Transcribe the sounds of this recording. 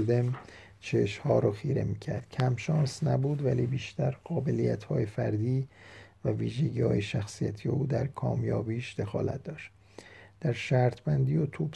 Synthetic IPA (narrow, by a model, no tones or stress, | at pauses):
ld̪em | t͡ʃʰeʃhɒːɾɒːxiːɾe̞̰miːcʰæɾd̪̥cʰæmʃɒːnsnæbuːd̪væliːbiːʃt̪æɾɢ̥ɒːbe̞lijæ̰t̪ʰhɒːjefæɾd̪iːvæviːʒeɟiːhɒ̰ːjeʃæxsijæt̪ʰijeʔuːd̪æ̰ɾkʰɒ̰ːmjɒ̰ːbiːʃd̪̥e̞xɒ̰ːlæ̰t̪̚ʰd̪ɒːʃt̪ | d̪̥æɾʃæːɾt̪ʰbænd̪iːot̪ʰuːb̥